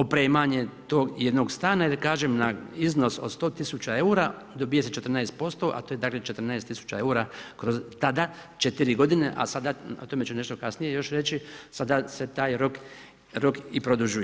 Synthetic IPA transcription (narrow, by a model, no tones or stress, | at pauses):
opɾeːmaɲe̞t̪o̞ːɡjed̪no̞ːɡst̪aːnajeɾkaːʒemnaizno̞sod̪st̪o̞ːt̪isut͡ɕae̞uɾa | d̪obije̞set͡ʃet̪ɾ̩naest̪̚po̞st̪o̞ʔa̰t̪o̞ːjed̪aːkle̞t͡ʃet̪ɾnaest̪isu̥t͡ʃae̞uːɾakɾo̞zt̪ad̪a | t͡ʃe̞t̪iɾiɡo̞d̪ineʔa̰sad̪ao̞t̪o̞met͡ʃune̞ʃt̪o̞kasnije̞jo̞ʃɾe̞t͡ɕisad̪ase̞t̪aːjɾo̞k | ɾokipɾo̞d̪uʒuj